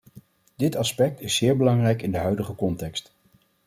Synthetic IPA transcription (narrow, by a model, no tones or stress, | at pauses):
dɪtɑspɛk̚tɪsːɪːɹbəlɑŋrɛjkɪndəɦœɥdəχəkɔntɛkst